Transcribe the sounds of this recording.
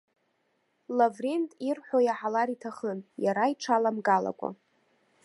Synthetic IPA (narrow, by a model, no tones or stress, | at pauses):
lavrentʼirħʷojaħalaɾitʰaχənjaɾaiʈ͡ʂʰalamɡala̰kʷʼa̰